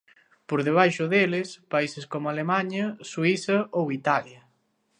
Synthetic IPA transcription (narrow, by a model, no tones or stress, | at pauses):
poɾðeβ̞ajʃʊðelɪspaiseskomʊalemaɲɐswisɐowit̪aljɐ